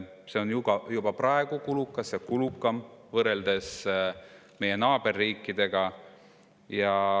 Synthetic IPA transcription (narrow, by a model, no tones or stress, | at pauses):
se̞onjub̥ɑjub̥ɑprɑeɡ̥ukulukːˑɑsɑkulukːˑɑmvɤɾe̞ld̪̥e̞s | me̞je̞nɑːb̥e̞rːiːkːˑid̪̥e̞ɡ̥ɑ | jɑ